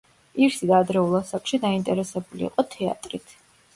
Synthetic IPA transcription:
iɾsid̪aːd̪ɾɛulˠasakʰʼʃid̪aint̪ʼɛɾɛsɛbulḭːqʼɔt̪ʰɛa̰t̪ʼɾit̪ʰ

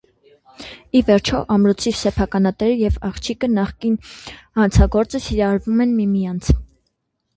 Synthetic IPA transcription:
ivɛɾt͡ʃʰɔʔɑmɾɔt͡sʰisɛpʰɑkɑnɑt̪ɛɾəjɛvɑχt͡ʃʰikənɑχkinhɑnt͡sʰɑɡɔɾt͡səsiɾɑɾvumɛnmimijɑnt͡sʰ

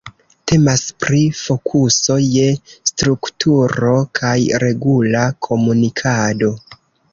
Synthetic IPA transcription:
te̞maspɾifo̞kʰuso̞je̞stɾuktʰuɾo̞kʰajɾe̞ɡulakʰo̞munikʰado̞

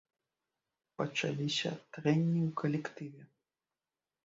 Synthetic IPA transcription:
pɐt͡ʂa̰lʲisʲɐ̰t̪ɾɛnʲːiwkɐlʲɛkt̪ɨvʲɛ

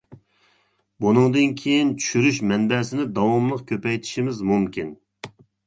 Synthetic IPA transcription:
bunɨŋd̪ɨnkʲʰejint͡ʃʰy̥ʃyɾyʃmɛnbɛːsɪnɪd̪ɑwɑmlˠəqkʲʰøpɛjt̪ʰi̥ʃimɪzmumkʲʰin

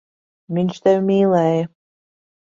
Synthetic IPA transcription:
mʲinʲʃt̪ɛwmʲiːlˠɛːjə

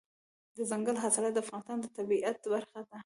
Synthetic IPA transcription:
d̪əzaŋɡəlɦasɑlɑt̪̚d̪əafɣɑnɪst̪ɑnd̪ət̪abiʔat̪baɾxad̪a

